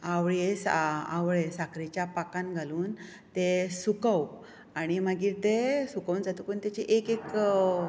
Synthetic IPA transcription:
aʋɭesaa̰ʋɭesakɾit͡ɕjapakãnɡʱaluːn | t̪esukaw | aɽ̃imaɡiːɾt̪esukaund͡zat̪ukunt̪jat͡ɕeʔekek

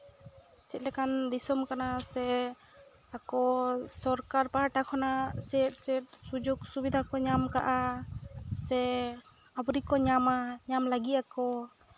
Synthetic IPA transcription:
t͡ʃɛt̪̚lɛkand̪isɔmkanasɛ | akɔsɔɾkaɾpaaʈakʰɔnat͡ʃɛt̪̚ˀt͡ʃɛt̪̚sud͡ʒuɡsubid̪ʱakɔɲamka̰ʔa | sɛ | abɾikɔɲamaɲamlaɡit̪̚akɔ

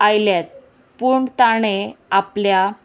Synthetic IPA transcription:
ajljat̪̚ | puɳt̪aɽ̃eaplja

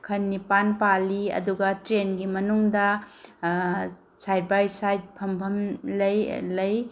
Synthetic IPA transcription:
kʰɐnːipanpaliɐ̰duɡɐtɾenɡimɐnuŋdɐ | sajd̚bajsajd̚pʰɐmbʱɐmlɐjlɐj

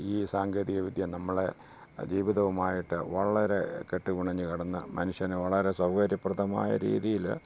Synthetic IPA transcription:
iːsaːŋɡɐðiɣɐʋid̪ʱjɐmnɐmːɐɭe̞ | d͡ʑiːʋiðɐʋumaːjiʈːɨ̰ʋɐɭɐɾe̞̰ke̞ʈːukuɳɐɲːɨkɐɽɐnːɨmɐnuʂjɐneʋɐɭɐɾe̞sɐwɡɐɾjɐprɐðɐma̰ːjɐ̰ɾḭːðijil

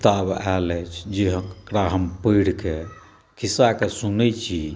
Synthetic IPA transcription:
t̪abalɛt͡ʃʰd͡ʒeɦəkɾaɦəmpəjɽke | kʰisakesunət͡ʃʰi

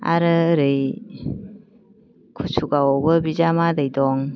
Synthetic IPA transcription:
a̰ɾɯɾɯj | kʰusʰuɡaɔbɯbizamadɯjdɔŋ

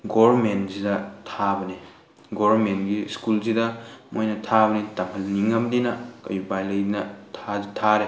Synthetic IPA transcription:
ɡoɾmenzidɐtʰabɐne | ɡoɐɾmentɡiskulzidɐmojnɐtʰabɐnitɐmɦɐlniŋɐmdinɐkɐ̰jupajlɐjdinɐtʰazitʰaɾe

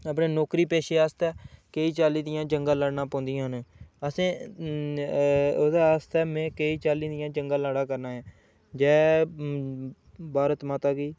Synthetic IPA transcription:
əp̬nẽːnɔːkɾiːpeːʃeːaːst̪ɛːkeːiːt͡ʃaːliːd̪ɪjãːd͡ʒəŋɡãːlaːɽnãːpɔ̃ːnd̪ijãːɦənəsẽː | od̪aːaːst̪ɛːmɛ̃ːkeiːt͡ʃaːliːd̪ɪjãːd͡ʒəŋɡaːlaːɽãːkəɾnãːɦɛ̃ː | d͡ʒɛː | baːɾət̪maːt̪aːɡiː

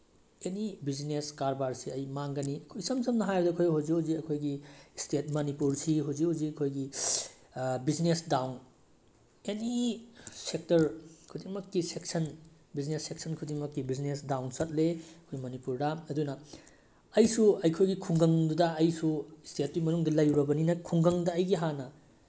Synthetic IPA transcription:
enibizneskaɾbaɾsiɐjmaŋɡɐniɐkʰojsɐmsɐmnɐɦajɾɐdɐkʰojɦoziowziɐkʰojɡistet̚mɐnipuɾsiɦoziowziɐkʰojɡi | biznesdawn | eni | sek̚tɐɾkʰudiŋmɐkːisek̚sɐn | biznesːeksɐnkʰudiŋmɐkːibiznesdawnsɐt̚leɐkʰojmɐnipuɾdɐɐdunɐ | ɐjsuɐjkʰojɡikʰuŋɡɐŋdudɐɐjsustet̚dujmɐnuŋdɐlɐjɾɐbɐninɐkʰuŋɡɐŋdɐːjɡiɦanɐ

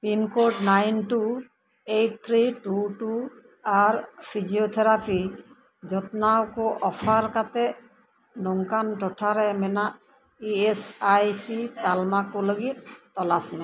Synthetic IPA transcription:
pinkoɖnajnʈu | ejʈ̚t̪ʰɹiʈuʈu | aɹpʰiziot̪ʰɛɾapʰi | zɔt̪nawkɔʔɔpʰaɾkat̪ɛ | nɔŋkanʈɔʈʰaɾɛmɛna | iesajsit̪almakɔləɡit̪̚tɔlasmɛ

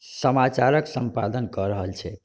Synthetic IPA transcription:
səmat͡ʃaɾəksəmpa̰d̪ənkəɾəɦəlt͡ʃʰɛ

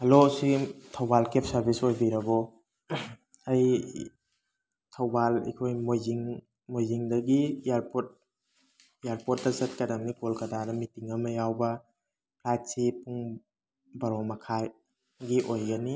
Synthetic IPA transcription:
hɐlositʰɐwbalkep̚ʰsɐɾbisojbiɾɐɡɔ | aj | tʰawbalḭkʰojmojziŋ | mojziŋdɐɡijaɾpot̚ | jaɾpot̚dɐzɐt̚kadamnikolkɐdadɐmitiŋɐmɐjawbɐ | plajtsipuŋ | bɐɾɔmɐkʰaj | ɡiʔojɡɐni

